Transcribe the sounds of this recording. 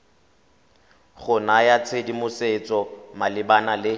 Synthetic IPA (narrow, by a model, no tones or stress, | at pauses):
χʊnajat͡sʰedimʊset͡sʼɔmalɪbanalɪ